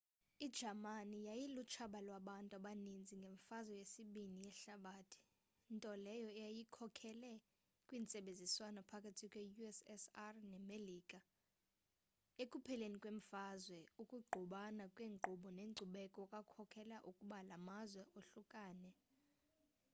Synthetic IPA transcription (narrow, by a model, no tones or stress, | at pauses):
id̥d͡ʒamanijajilut͡ʃʰaɓalwaɓantʼuaɓanind͡zʱiŋɡʱeɱfazwɛjesiɓinijɛɬaɓaːtʰi̥ | ntʼɔlɛjɔɛjajikʰɔkʰɛlɛ | kʼwiːnt͡sʼɛɓend͡zʱiswanɔpʰakʼʰatʰikʼwejuɛsɛsarnɛmeliːkʼa | ekʼupʰɛlenikʼweɱ̩fazwɛukʼuɡ͡ǃʱuɓanakʼweːŋŋ͡ǃʱuɓɔneŋ͡ǃʱuɓɛkʼɔkʼakʰɔkʰɛlaʔukʼuɓalamazwɛʔoɬukʼaːnɛ